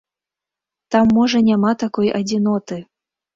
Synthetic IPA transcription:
t̪amːɔʐɐnʲamat̪akɔjad͡zʲinɔt̪ɨ

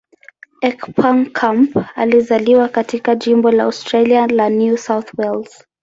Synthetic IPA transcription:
ɛkpʰaŋkʰampa̰lizaliwakatikaʄimbɔlaaʊstɾalialanjusawθwɛlz̥

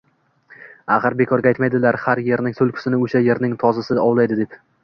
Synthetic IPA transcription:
aχɨɾbe̞kʰɒɾɡʲaajt̪majd̪ɪlaɾhaɾje̞ɾnɪŋsolˠkʲʰɪ̥sɪnɪoʃaje̞ɾnɪŋt̪ʰɒzasɪd̪aɒwlˠajd̪ɪd̪e̞p

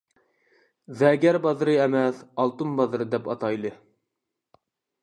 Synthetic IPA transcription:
zɛɡʲɛɾbɑzɾɨɛmɛsɑlˠt̪ɨmbɑzɨɾɨd̪ɛpɑt̪ɑjlˠɨ

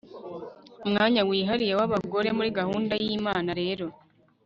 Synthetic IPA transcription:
umŋaːɲawiːɦaɾijewaβaɡo̞ɾe̞muɾiɡahuːndajiːmaːnaɾe̞ːɾo̞

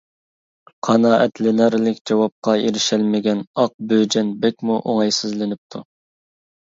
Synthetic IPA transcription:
qʰɑnɑːʔɛt̪lɪnɛɾlɪkʲd͡ʒɑwɑp̚qɑeɾɪʃɛlmɪɡʲɛnɑq̚bød͡ʒɛnbɛkʲmuʔoŋɑjsɪzlɪnɪp̚t̪ʰu

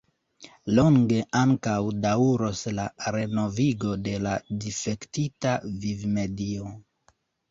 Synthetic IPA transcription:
loŋɡe̞ʔaŋkawdauɾoslaɾe̞no̞viɡo̞de̞ladife̞ktitavivme̞dio

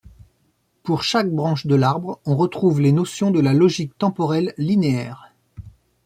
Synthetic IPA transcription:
puʁʃak̚bʁɑ̃ʃd̪əlaʁbʁɔ̃ʁət̪χuvlenɔsjɔ̃d̪əlalɔʒik̚t̪ɑ̃pɔʁɛlːineɛːʁ

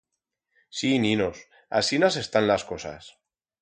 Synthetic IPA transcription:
sinĩnos | a̰sinase̞st̪anlaskosa̰s

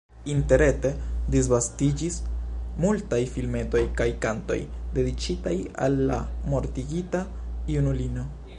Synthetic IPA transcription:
inte̞ɾe̞te̞dis̬vastid͡ʒismultajfilme̞to̞jkajkanto̞̰jde̞dit͡ʃitaja̰lːa̰mo̞ɾtiɡitaiunulino̞

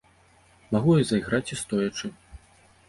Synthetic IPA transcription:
maɣujazɐjɣɾat͡sʲist̪ɔjɐt͡ʂɨ

